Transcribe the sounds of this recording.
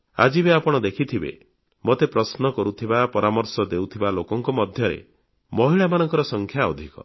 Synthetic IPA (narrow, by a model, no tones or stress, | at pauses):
a̰d͡ʒibeapɔɽ̃ɔd̪ekʰit̪ʰibḛ | mot̪epɾɔsnɔkɔɾut̪ʰibapɔɾamɔɾsɔd̪ewt̪ʰibalokɔŋkɔmɔd̪ʱjɔɾḛ | mɔɦiɭamanɔŋkɔɾɔsɔŋkʰjaɔd̪ʱikɔ̰